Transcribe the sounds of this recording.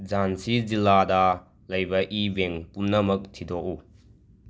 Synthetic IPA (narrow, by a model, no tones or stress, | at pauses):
d͡ʒansiziladɐ | lɐjbɐʔibeŋpunːɐmɐk̚tʰidɔʔu